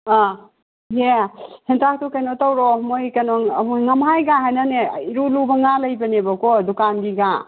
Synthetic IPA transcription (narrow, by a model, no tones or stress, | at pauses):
a | ɦehintʰak̚tukajnɔtawɾɔmojkanɔbuŋamɦajɡaɦajnaneiɾulubaŋalajbanebakɔdukanɡiɡa